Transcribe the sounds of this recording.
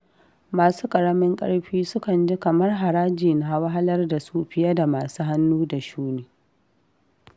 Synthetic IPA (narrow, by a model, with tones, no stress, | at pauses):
maː˨suː˦kʼɐ˨ɽɐ˦mɪ˦ŋkʼɐ̰˦ɽɸiː˦sʊ˦kɐ˨nd͡ʒɪ˦kɐ˨mɐ˦rɦa˨ɾaː˦d͡ʒiː˨na˦˨wa˦ɦa˦lɐ˦rda˨su˦ɸɪ˦ja˦da˨maː˨suː˦ɦa˦nːuː˦da˨ʃuː˦neː˨